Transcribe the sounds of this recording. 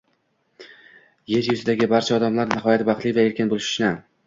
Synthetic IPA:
jeɾjʊzɪd̪aɡʲɪbaɾt͡ʃʰaɒd̪amlaɾnɪɦɒjat̪bɑχt̪lˠivae̞ɾkʲɪnbolˠɪʃʊ̥ʃnɪ

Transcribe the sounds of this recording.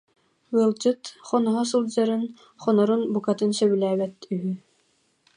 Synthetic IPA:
wilˠd͡ʑɯt̪χɔnɔɦɔs̬ɯlˠd͡ʑaɾɯn | χɔnɔɾunbukat̪ɯnsœβylæːbɛt̪yɦy

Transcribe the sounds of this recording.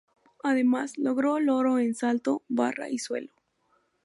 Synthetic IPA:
aðe̞maslo̞ɣɾolo̞ɾo̞ensalt̪o̞ba̰ra̰ʔiswe̞̰lo

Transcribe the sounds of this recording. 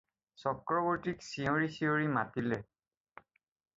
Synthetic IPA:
sɔkɹɔbɔɹtiksioɹisioɹimatilɛ

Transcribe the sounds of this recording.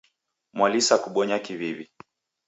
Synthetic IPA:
mwalisakuɓɔɲakiβiβi

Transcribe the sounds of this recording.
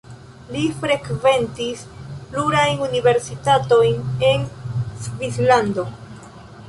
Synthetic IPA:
lifɾe̞kve̞ntispluɾajnunive̞ɾsitato̞jne̞nsvislando̞

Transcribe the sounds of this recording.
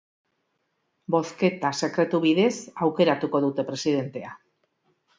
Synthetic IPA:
bo̞θke̞t̪ase̞kɾe̞t̪uβiðe̞sawke̞ɾat̪uko̞ðut̪e̞pɾe̞siðe̞nt̪e̞a

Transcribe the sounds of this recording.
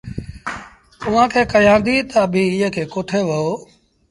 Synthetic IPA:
t̪ʊʋ̤ãːkʰeːkəjãːnd̪iːt̪abʱiːɪjə̃kʰeːkoːʈʰeːʋəoː

